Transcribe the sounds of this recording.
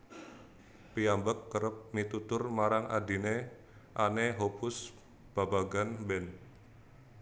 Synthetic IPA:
piambəkːəɾəp̚mit̪ut̪ʊrmaɾaŋa̰di̤ne | ʔaneɦopʊs | b̥abaɡanbɛn

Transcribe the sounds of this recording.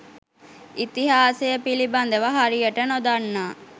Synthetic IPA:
it̪iɦaːsejəpiliband̪əʋəɦaɾijəʈənod̪anːaː

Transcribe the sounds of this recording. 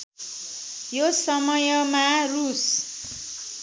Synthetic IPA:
josʌmʌjʌmarus

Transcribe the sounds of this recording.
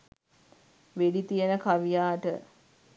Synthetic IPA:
ʋeɖit̪ijənəkaʋijaːʈə

